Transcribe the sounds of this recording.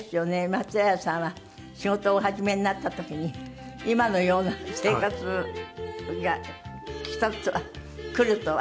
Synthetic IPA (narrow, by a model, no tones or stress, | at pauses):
sɨjo̞ne̞mat͡sɨajasãɰ̃βa | ɕiɡo̞t̪o̞ːɦaʑime̞ɲinat̪ːat̪o̞kʲiɲ̟i | imano̞jo̞ːnase̞ːkat͡sɨ | ɡakʲi̥t̪at͡sɨβakɯ̟ɾɯ̟t̪o